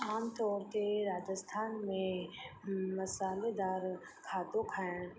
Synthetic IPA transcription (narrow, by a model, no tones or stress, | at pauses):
aːmt̪ɔːɾkeɾaːd͡ʒəst̪ʰaːnmẽ | mɐsaːled̪aːɾ | kʰaːt̪õkʰaːe